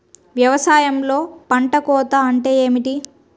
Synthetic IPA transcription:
ʋjɐʋɐsaːjɐmlo̞ːpɐɳʈɐkɔːt̪aɐɳʈe̞ːeːmiʈi

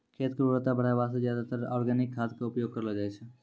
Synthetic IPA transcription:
kʰeːt̪kəɾuɾət̪abəɽ̤aʋaːsezjaːd̪at̪əɾɔːɾɡɛnɪkʰːaːt̪kaʊpjoːɡ̚kəɾəlad͡ʒaːet͡ʃʰɛ

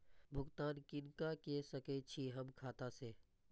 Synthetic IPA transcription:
bʱʊɡt̪aːnkɪnkakesəket͡ʃʰiɦəmkʰaːt̪aseː

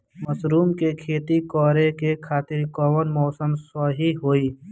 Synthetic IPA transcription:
mɐsɾuːmkekʰeːt̪ikɔːɾekekʰaːt̪ɪɾkɔːʋənmɔːsəmsɔɦiɦoːiː

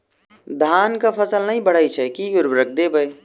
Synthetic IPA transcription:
d̪ʱaːnkapʰəsəlnɐɦĩbəɽ̤ajt͡ʃʰɛkiɡʊɾbɾək̚ʰd̪ebəe

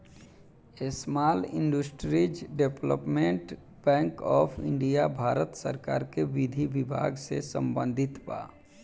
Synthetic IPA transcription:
esmaːlɪ̃ɳɖusʈɾid͡ʒɖeplə̰pmẽɳʈ | bɛ̃ːŋkɔːpʰɪ̰ɳɖijabʱaːɾət̪sə̰ɾkaːɾkeʋid̪ʱibibʱa̰ːɡsesə̰̃mbə̃nd̪ʱɪt̪ba̰

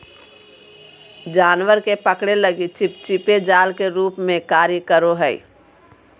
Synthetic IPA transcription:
d͡ʒaːnʋəɾkepəkɽeləɡit͡ʃɪpt͡ʃɪped͡ʒaːlkeɾuːpmẽkaːɾəkəɾoɦəḭ

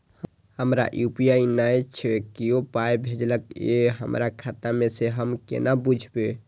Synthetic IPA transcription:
həmɾa̰ʔjupijainajt͡ʃʰekiopajbʱed͡ʒləkeɦə̰mɾakʰat̪ameseɦəmkḛnabud͡ʒʱbe

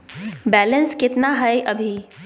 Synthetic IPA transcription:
bɛːlə̃nskɪt̪naɦaeʔɐbʱi

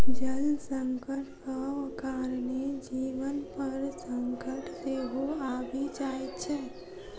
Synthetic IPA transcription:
d͡ʒəlsəŋkəʈkakaːɾned͡ʒiːʋənpəɾsəŋkəʈʰseːɦoaːbʱid͡ʒaːet̪t͡ʃʰɛː

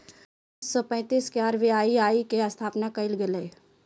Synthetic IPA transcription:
sɔpɛ̃ːt̪iːskaːɾʋiaːiaːikeɐst̪ʰaːpnakɐɪlɡɪleː

